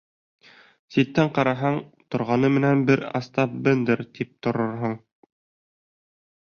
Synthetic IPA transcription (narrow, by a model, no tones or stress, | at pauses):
sit̪ːæɴqɑɾɑɦɑɴt̪ŏɾʁɑnɤmɘ̆nænbɘɾɑ̰st̪ɑp̚bɘnd̪ɘɾt̪ip̚t̪ŏɾoɾɦɤɴ